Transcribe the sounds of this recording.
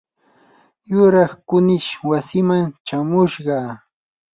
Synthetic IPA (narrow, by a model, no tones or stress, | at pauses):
jʊɾɑχkʊnɪʃwasɪmaŋt͡ʃamʊʃɢɑ